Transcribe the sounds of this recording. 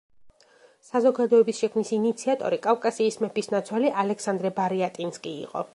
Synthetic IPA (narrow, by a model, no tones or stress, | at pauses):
sazɔɡad̪ɔɛbisʃɛkʰmnisiːnit̪sʰiat̪ʼɔ̰ɾikʼafkʼasiːsmɛpʰisnat̪sʰwaliʔalɛksand̪ɾɛbaɾiat̪ʼinskʼḭːqʼɔ̰